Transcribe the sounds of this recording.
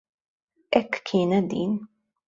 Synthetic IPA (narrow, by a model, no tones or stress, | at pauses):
ʔɛkːʰiːnɛd̪iːn